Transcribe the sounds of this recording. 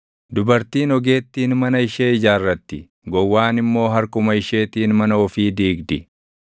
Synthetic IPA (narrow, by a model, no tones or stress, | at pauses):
d̪ʊbɐɾt̪iːnɔɡe̞ːt̪ːiːnmɐnɐɪʃeːɪd͡ʒaːrːɐt̪ːɪ | ɡɔwːaːnɪmːo̞ːɦɐɾkʊmɐɪʃeːt̪iːnmɐnɐɔfiːd̪iːɡd̪ɪ